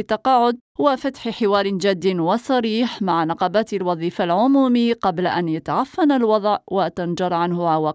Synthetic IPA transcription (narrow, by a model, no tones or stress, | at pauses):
t̪ːɑqɑːʕʊd̪̚ | wafat̪ħħɪwɑːɾˤɪnd͡ʒad̪ːɪnwasˤɑɾiːħmaʕnɑqɑbaːt̪alwɑðˤiːfalʕʊmuːmiqɑblaʔanjat̪aʕafːanalwɑd̪ˤʕwat̪and͡ʒɑɾˤʕanhʊʕawaː